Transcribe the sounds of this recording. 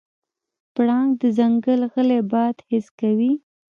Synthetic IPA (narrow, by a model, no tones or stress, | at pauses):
pɽɑŋɡd̪əzaŋɡəlɣəlebɑd̪hɪskawi